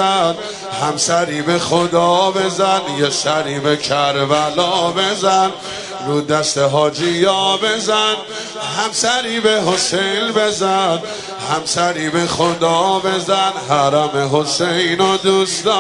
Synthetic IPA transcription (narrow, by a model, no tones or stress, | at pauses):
æn | hæmsæɾiːbe̞xod̪ɒːbe̞zænjesæɾiːbekʰæɾvælɒːbe̞zæn | ɾuːd̪æst̪eɦɒːd͡ʒijɒːbe̞zæn | hæmsæɾiːbe̞ɦosejnbe̞zæn | hæmsæɾiːbe̞xod̪ɒːbe̞zænɦæɾæme̞ɦo̞sejnod̪usd̪ɒ